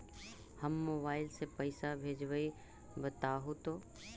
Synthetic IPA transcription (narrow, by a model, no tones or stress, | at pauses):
həmːoːbaːɪlsepɐɪsabʱeːd͡ʒʋəi | bət̪aːɦot̪oː